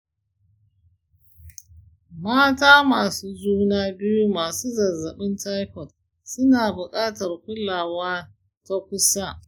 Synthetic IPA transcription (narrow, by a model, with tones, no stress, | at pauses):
maː˦taː˦maː˨suː˦zuː˦naː˦bɪ˦ju˦maː˨suː˦zɐ˨zɐ˨ɓɪ˦nta˦jkɔ˨t̚ | sʊ˦naː˨bʊ˨kʼaː˦tɐ˨rkʷʊ˦laː˨waː˦ | ta˦kʷʊ˦sa˦